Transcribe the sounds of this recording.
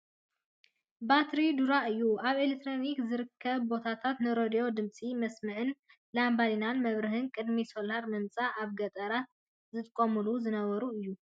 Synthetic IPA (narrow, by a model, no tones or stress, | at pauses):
bat̪ɾid̪uɾaɨjːuaβelek̚t̪ʰːɾo̞nikzɨɾɨkʰːɐβbo̞t̪ʰat̪ʰat̪nɨɾo̞d̪ijo̞d̪ɨmt͡sʼimɐsmɨʕɨn | lambalinanmɐβɾɨɦɨnkʼɨd̪miso̞laɾmɨnt͡sʼaʔaβɡɐt̪ʼɐɾa | zɨt̪ʼɨkʼːomɨluzɨnɐβɐɾuɨjːu